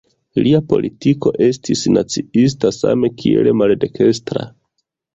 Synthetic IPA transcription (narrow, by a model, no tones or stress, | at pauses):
liapo̞̰lʔitiko̞̰ʔe̞stʰisnat͡siis̬tasa̰me̞kʰiḛle̞malde̞kʰe̞stɾa̰